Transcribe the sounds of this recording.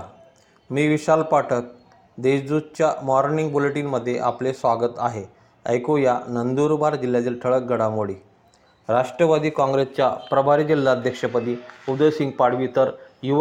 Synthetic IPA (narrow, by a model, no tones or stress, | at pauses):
miːʋiɕalpaʈʰək̚ | d̪eɕd͡zud̪̚t͡ɕjamɔɾniŋɡ̚boleʈiːnməd̪ʱːjeʔaplesʋaɡət̪a̰ɦe | ə̰jkojanənd̪uːɾbaɾd͡ʑil̤jat̪iːlʈʰəɭək̚ɡʱəɽamoɽiː | ɾaʂʈɾəʋad̪iːkãŋɡɾest͡ɕjapɾəbʱaɾiːd͡ʑilːaəd̪ʱjəkʂəpəd̪iːud̪əsiŋɡpaɽ̤ʋiːt̪əɾjuʋ